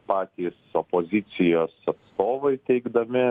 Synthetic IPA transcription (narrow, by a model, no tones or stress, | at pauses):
pɑːt̪ʲiːsopoːzʲɪt̪sʲɪjoːsɐt̪st̪oːʋɐɪt̪ʲɛɪɡd̪ɐmʲɪ